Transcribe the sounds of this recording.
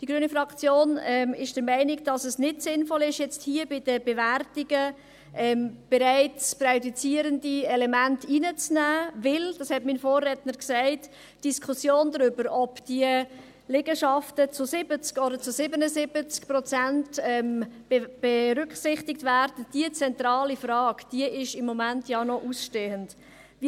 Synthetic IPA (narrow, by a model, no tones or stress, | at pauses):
d̥iɡɾyːənifɾɑkt͡sjoːnɛmɪʃd̥əɾmɛɪnɪkd̥ɑsəsnɪtsɪnfɔlɪʃjɛt͡sthiːəbɪd̥əb̥ɛværtiɡə | ʔɛːmb̥ɛɾæɪt͡sprɛdut͡siəɾəndiɛlɛmæntʰiːnət͡snæːvɪld̥ɑshɛtminfoːrɛtnəɾksæɛɪtː | d̥iskʰχusjoːndɾʏbəɾɔpd̥iə | lɛɡəʃɑftət͡sʊsɪbət͡skɔdəɾt͡sʊsɪbənəzɪb̥ət͡skprɔt͡sæntɛm | b̥eɾʏkχsɪχtɪk̚tvæːɾd̥əd̥iət͡sɛnt̪rɑːlifrɑːkd̥iəɪʃɪmːɔmæntjɑnɔʔusʃteːənt | vi